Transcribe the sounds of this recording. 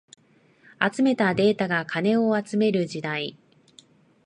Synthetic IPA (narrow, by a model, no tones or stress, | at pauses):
at͡sɨme̞t̪ad̪e̞ːt̪aɡakʰane̞o̞at͡sɨme̞ɾɯ̟d͡ʑid̪ai